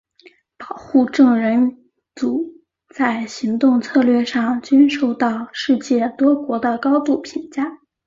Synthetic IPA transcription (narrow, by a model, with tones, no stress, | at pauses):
pɑ˨˩ʊxu˥˧ʈ͡ʂɤ˥˩ŋɻə˧˥n | t͡su˨˩ | t͡sa˥˩ɪɕi˧˥ŋt̪ʊ˥˧ŋt͡sʰɤ˥˧lɥɛ˥˧ʂɑ˥˩ŋt͡ɕy˥nʂo˥˧ʊt̪ɑ˥˧ʊʂɻ̩˥˧t͡ɕjɛ˥˩t̪wɔ˥kwɔ˧˥d̪ə˧kɑ˥ʊt̪u˥˩pʰi˧˥ŋt͡ɕja˥